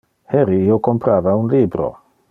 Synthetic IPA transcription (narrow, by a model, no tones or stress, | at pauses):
heɾiiokompɾavaunlibɾo̞̰